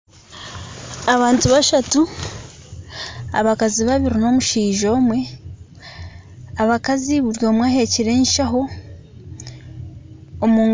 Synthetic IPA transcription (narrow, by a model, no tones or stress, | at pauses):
aβaːntuβaʃatu | a̰βakaziβaβiɾino̞ːmuʃiːʒo̞ːmwe̞ | aβakaziβuɾjo̞ːmwaːhe̞ciɾe̞ːnʃaɦo | omuːŋ